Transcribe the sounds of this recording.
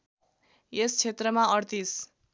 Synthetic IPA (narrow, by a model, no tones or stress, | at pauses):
est͡sʰet̪rʌmaʌrt̪is